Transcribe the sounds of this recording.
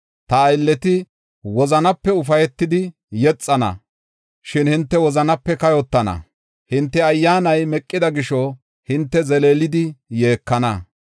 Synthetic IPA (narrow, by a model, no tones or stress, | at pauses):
t̪ɐːjlːɛt̪ɪ | wɔzɐnɐpːɛʊfɐjɛt̪ːɪd̪ɪ | jɛt͡sʼːɐnɐ̰ | ʃɪnhɪnt̪ːɛwɔzɐnɐpːɛkɐjɔt̪ːɐnɐ̰ | hɪnt̪ːɛɐjːaːnɐjmɛkʼːɪd̪ɐɡɪʃɔ | hɪnt̪ːɛzɛleːlɪd̪ɪje̞ːkːɐnɐ